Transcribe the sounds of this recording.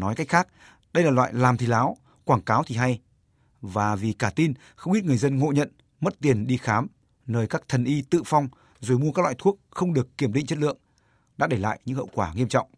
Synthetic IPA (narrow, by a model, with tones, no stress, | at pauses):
nɔ˨˦jka˦˥jk̟̚xaː˦˥k̚ | ɗə˧jlaː˨˩lwa̰ː˧˨jlaː˨˩mt̪i˨˩laː˨˦w | kwaː˧˩ŋkaː˨˦wt̪ʰi˨˩ɦa˧j | vaː˨˩vi˨˩kaː˧˩t̪i˧n | xə˧wŋ͡mʔi˦˥t̚ɨ˨˩əjzə˧nŋo̰˧˨ɲə̰˧˨n | mə˦˥t̚t̪i˨˩ənɗi˧xaː˨˦m | nəː˧jkaː˦˥k̚t̪ʰə˨˩nʔi˧t̪ɨ̰˧˨fa˧wŋ͡m | zo˨˩jmu˧kaː˦˥k̚la̰ː˧˨jt̪ʰu˦˥ək̚xə˧wŋ͡mɗɨ˨˩əkːi˧˩əmɗḭ˧˨ŋ̟t͡ɕə˦˥t̚lɨ̰˧˨əŋ | ɗa̰ː˧˥ɗe˧˩la̰ː˧˨jɲɨ̰˧˥ŋhə̰˧˨wkwaː˧˩ŋi˧əmt͡ɕɔ̰˧˨wŋ͡m